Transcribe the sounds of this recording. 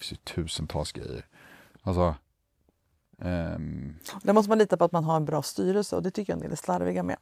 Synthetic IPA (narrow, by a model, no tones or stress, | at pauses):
sɪt̪ʰʉ̟ːsənt̪ʰɑ̰lsɡɾɛ̰jːə̰ɾ | alsɔ | d̪æɾmɔst̪əmaniːt̪apɔat̪manɦaɾɛnbɾɑːst̪yːɾɛlsəɔd̪ɛt̪ʰʏkːəja̰nɪ̰læslaɾvɪɡamɛ̰